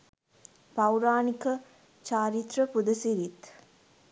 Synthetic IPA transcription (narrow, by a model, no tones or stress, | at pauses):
pawɾaːnikə | t͡ʃaːɾit̪ɾəpud̪əsiɾit̪